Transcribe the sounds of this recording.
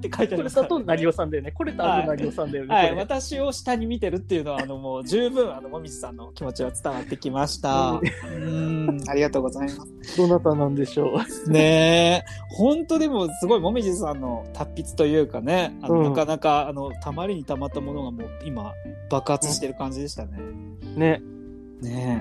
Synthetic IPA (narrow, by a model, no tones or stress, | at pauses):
t̪ːe̞kait̪aɾaonaɾʲio̞sãnd̪ajoneko̞ɾet̪ataoinaɾʲiosãnd̪ajonhaiβat̪aɕio̞ɕi̥t̪aɲ̟imʲit̪e̞ɾɯ̟t̪ːe̞jɯ̟no̞βaːno̞mo̞ːd͡ʑɨːbɯ̟̃ɰ̃ano̞mo̞mʲiʑi̥sãnːo̞kʲimo̞t͡ɕiβat͡sɨ̥t̪aβat̪ːe̞kʲimaɕi̥t̪aɯ̃aɾʲiɡat̪o̞ːɡo̞zaimasɨ̥d̪̥onat̪anãnd̪e̞ɕoːne̞ | hõ̞nt̪o̞d̪e̞mo̞sɨɡo̞imo̞mʲiʑisãnːo̞t̪ʰapʲːit͡sɨ̥t̪o̞jɯ̟ːkane̞anonakanakaːno̞t̪ʰamaɾʲiɲ̟it̪amat̪ːamo̞no̞ɡamo̞ːima̰b̥akɯ̟hat͡sɨɕi̥t̪e̞ɾɯ̟kãɲ̟d͡ʑid̪e̞ɕi̥t̪ane̞ | ne̞ | ne